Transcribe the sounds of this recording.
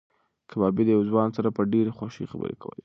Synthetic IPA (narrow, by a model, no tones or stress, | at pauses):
kʰabɑbid̪əjawzwɑnsaɾapəɖeɾexwaʃḭxabə̰ɾḛkawə̰le